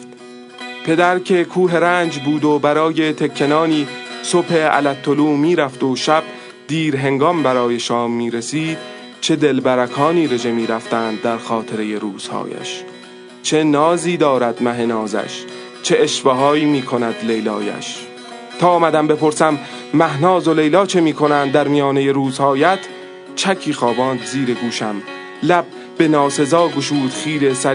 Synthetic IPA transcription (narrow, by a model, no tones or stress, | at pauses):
pʰe̞d̪æɾcʰe̞kʰuːɦe̞ɾæːnd͡ʒbuːd̪obæɾɒːje̞t̪ʰekʰːe̞nɒːniːso̞bhe̞æ̰læt̪ʰːoluːmiːɾæft̪oʃæb̥̚ | d̪̥iːɾɦe̞ŋɡɒmbæɾɒːje̞ʃɒːmːiːɾesiːd̪̥ | t͡ʃʰe̞d̪e̞lbæɾækʰɒːniːɾe̞d͡ʒe̞miːɾæft̪æːnd̪̚ːæɾxɒːt̪ʰe̞ɾe̞je̞ɾuːz̥hɒ̰ːjæ̰ʃ | t͡ʃʰe̞nɒːziːd̪ɒːɾæd̪mæɦe̞nɒːzæ̰ʃ | t͡ʃʰe̞ʔeʃvɒɦɒːiːmiːkʰo̞næd̪lejlɒːjæ̰ʃ | t̪ʰɒːmæd̪æmbe̞pʰoɾsæmː | æhnɒːzo̞le̞jlɒːt͡ʃʰe̞miːkʰo̞nænd̪ːæɾmijɒːnejeɾuːzhɒːjæt̪ʰ | t͡ʃʰækʰiːxɒːbɒːnd̪ziːɾe̞ɡuːʃæm | læb̥̚ | be̞nɒːse̞zɒːɡo̞ʃuːd̪̥χiːɾesæ